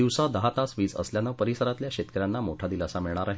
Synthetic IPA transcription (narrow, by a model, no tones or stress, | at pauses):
iʋsãd̪əɦat̪asʋiːt͡sə̰sljanəpəɾisəɾat̪ljaɕet̪kəɾjanːamoʈʰad̪iːləsamiɭɳ̃aɾaɦe